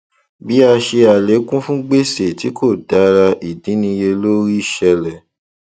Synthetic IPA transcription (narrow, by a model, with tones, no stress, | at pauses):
bi˦a˧ʃe˧a˨le˨˦kũ˦fũ˦ɡ͡be˦˨se˨ti˨˦kʰo˦˨da˨˦ɾa˧ʔi˨dĩ˨˦nĩ˧je˧lo˦ɾi˦i˦˨ʃɛ˧lɛ˨